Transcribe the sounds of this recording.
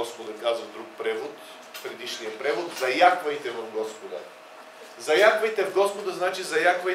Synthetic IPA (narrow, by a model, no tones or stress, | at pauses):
ɔspod̪ɐkazɐvd̪ɾuk̚pɾɛvot̪ | pɾɛd̪iʃnijəpɾɛvot̪zɐjaxvɐjt̪ɛvɐvɡɔspod̪ə̰ | zɐjaxvɐjt̪ɛvɡɔspod̪əznat͡ʃizɐjaxvɐ